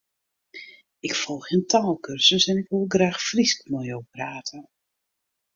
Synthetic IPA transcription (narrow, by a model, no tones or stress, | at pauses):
ɪkfɔlˠxentʰaːlˠkørsəsɛnɪkʋolˠɡraːxfriskmɔjowpraːtʰə